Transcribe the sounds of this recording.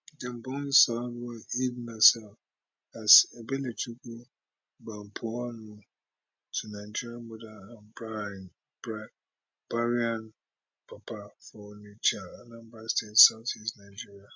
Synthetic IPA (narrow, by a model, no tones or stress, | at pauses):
dɛ̃m̩bɔ̃nsadɔidmasɛl | asɛbeletʰuku | bãm̩pʰɔnũ | tʰunãɪd͡ʒiɾiãnmɔdaãnbɾaɛ̃n | b̥ɾa | b̥aɾiãn | pʰapʰafɔnit͡ʃʰaanãmbastʰetsaʊtʰisnãɪd͡ʒiɾia